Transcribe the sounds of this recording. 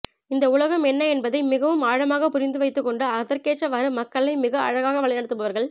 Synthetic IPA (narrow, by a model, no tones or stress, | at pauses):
ɪnd̪ɐʊɭɐɣɐmɛnːɐɛnbɐðɐɪmɪɣɐʋɯmaːɻɐmaːɣɐpːʊɾɪnd̪ɯʋɐɪt̪ːɯkːɔɳɖɯɐðɐɾkeːʈːɐʋaːɾɯmɐkːɐɭɐɪmɪɣɐɐ̰ɻɐɣaːɣɐʋɐɭɪnɐɽɯt̪ːɯbɐʋɐɾɣɐɭ